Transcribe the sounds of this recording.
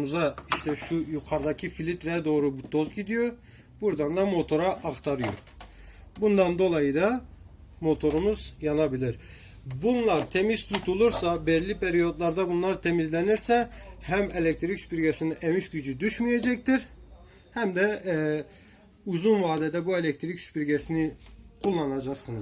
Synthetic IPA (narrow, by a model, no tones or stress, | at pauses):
muzaiʃt̪ʰɛʃujukʰaɾd̪acʰifilʲit̪ɾɛɛd̪o̞ːɾubut̪̚ʰːo̞zɟid̪ijo̞ | buɾd̪and̪amo̞t̪ʰo̞ɾaʔːxt̪ʰaɾɯjo̰ | bund̪and̪o̞lˠajɯd̪a | mo̞t̪ʰo̞ɾumuzjanabilʲiɾ | bunlˠaɾt̪ʰemiz̥t̪ʰut̪ʰulˠuɾsabɛɾlʲipʰeɾijo̞d̪lˠaɾd̪abunlˠaɾt̪ʰemizlʲeniɾsɛhæmelʲec̚t̪ʰɾicspiɾɟesiniʔemiʃɟyd͡ʒyd̪yʃmijed͡ʒɛct̪iɾ | hæmd̪ɛ | uzunvaːd̪ɛd̪ɛbuelʲec̚t̪ʰɾicʃpiɾɟesinikʰulˠːanad͡ʒaqsɯnɯz